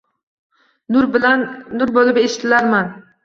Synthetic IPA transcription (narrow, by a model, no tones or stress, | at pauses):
nʊɾbɪlanːʊɾbolɪpeʃɪ̥t̪ʰɪlaɾman